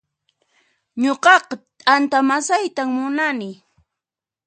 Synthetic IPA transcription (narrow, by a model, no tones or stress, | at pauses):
ɲoqɑqɑt̪ʼant̪amasajt̪aŋmʊnanɪ